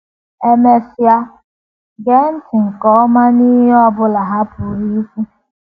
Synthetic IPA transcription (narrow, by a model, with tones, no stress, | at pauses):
e˦me˦sja˦ | ɡe˦n̩˦tɪ˨ŋ̩˨kɔ˨˦ma˦ni˦ɦi˦ɔ˦bʊ˦la˨ɦa˦pʊ˨ɾi˦fu˦